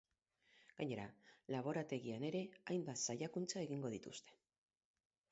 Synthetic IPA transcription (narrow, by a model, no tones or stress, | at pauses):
ɡ̥aɲe̞ɾalaβ̞o̞ɾat̪e̞ɣiane̞ɾe̞ajmbat̪sajakunt͡sae̞ɣiŋɡo̞ð̞it̪ust̪e̞̥